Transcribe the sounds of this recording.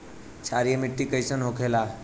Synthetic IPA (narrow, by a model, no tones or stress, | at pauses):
t͡ʃʰaɾijəmiʈːikəjsənɦokʰela